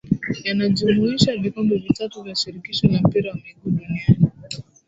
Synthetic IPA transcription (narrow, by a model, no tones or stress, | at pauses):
janad͡ʒumuiʃalikɔmbuvitatuvjaʃiɾikiʃɔjam̩piɾawamiɡuɗuniani